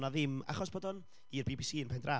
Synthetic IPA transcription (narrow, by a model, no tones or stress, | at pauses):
naðɪma̰χɔsb̥oːdɔn | irbiːbiːsiːnpʰɛndra